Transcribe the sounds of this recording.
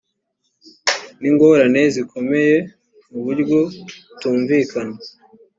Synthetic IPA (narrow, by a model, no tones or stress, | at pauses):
niŋɡoɾane̞ziko̞me̞je̞ | muβuɾɡotuːɱviːkana